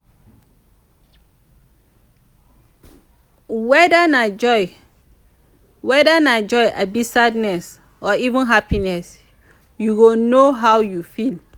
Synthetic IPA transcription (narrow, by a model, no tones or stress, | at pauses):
wɛdanad͡ʒɔɪ | wɛdanad͡ʒɔɪʔa̰bisadnɛs | ɔivũnɦapinɛs | juwonoɦawjufil